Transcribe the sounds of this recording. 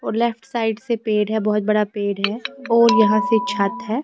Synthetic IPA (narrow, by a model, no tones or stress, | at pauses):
ɔːɾlɛpʰʈsaːɪɖsepeːɖɦɛbɔɦʊt̪̚bɐɽapeːɽɦɛɔːɾjɐɦãset͡ʃʰaːt̪ɦɛː